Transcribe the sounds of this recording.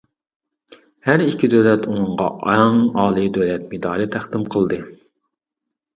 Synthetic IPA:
hæɾikʲʰːid̪øwlɛt̪unɨɴʁɑ̰ʔɑŋɑːlˠɨd̪øwlɛt̪̚mɪd̪ɑːlɨt̪ʰæχd̪ɪmqʰəlˠd̪ɨ

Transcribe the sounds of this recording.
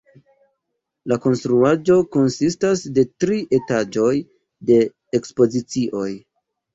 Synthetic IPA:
lako̞nstɾuad͡ʒo̞ko̞nsistasde̞tɾiʔe̞tad͡ʒo̞j | de̞ | ekspo̞zit͡siʔo̞j

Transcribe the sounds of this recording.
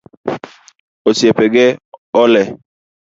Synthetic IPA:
osiepɛɡɛɔlɛ

